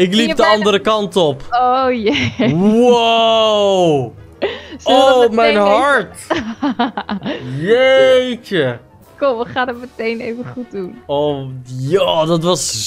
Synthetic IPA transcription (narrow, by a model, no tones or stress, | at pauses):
ɪklip̚dəɑndəɾəkɑntɔpojɛwaw | sowmɛjnɦɑɹt | jejt͡ʃə | kɔəχaːnətmətejnejvəχut̚dunowjaːdɑtʋɑs